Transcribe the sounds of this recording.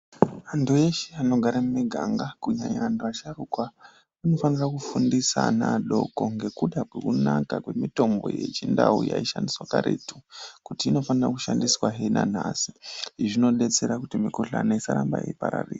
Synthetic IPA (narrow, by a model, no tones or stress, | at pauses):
antue̞ʃeano̞ɡʱaɾamumiɡʱaŋɡakuɲaɲaantuaʃarukwa | ano̞fanirakufundisanaɗo̞̰ko̞ŋɡe̞kuɗakwe̞kunakakwe̞mito̞mbo̞̰je̞̰t͡ʃindauja̰iʃandiswakaɾḛtukutiːno̞fanirakuʃandiswaɦenanasi̥ʐino̞ɗe̞t͡se̞ɾakutimikoɬanaisaɾambaḭipaɾariːi